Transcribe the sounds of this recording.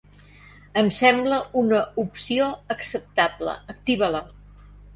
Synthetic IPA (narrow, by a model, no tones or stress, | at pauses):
əmsɛmbləunəupsioəksəp̚t̪ablə̰ːk̚t̪iβələ